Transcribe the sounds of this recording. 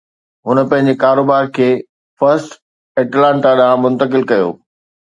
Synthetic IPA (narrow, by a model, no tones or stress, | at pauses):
ɦʊnə̆pɐ̃ɦɪ̃ɲ̆d͡ʑekaːɾoːbaːɾkʰeː | fɐɾsʈ | ɛʈlãːɳʈaɗãmʊ̃nt̪əkɪlkɐjo̰ː